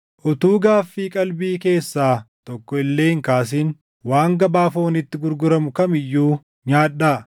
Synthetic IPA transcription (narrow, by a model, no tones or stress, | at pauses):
ʔʊt̪uːɡaːfːiːkʼɐlbiːke̞ːsːaːt̪ɔkːɔɪlːeːhɪŋkaːs̬iːn | waːŋɡɐbaːfoːnɪt̪ːɪɡʊɾɡʊɾɐmʊkɐmɪjːuː | ɲaːᶑːaː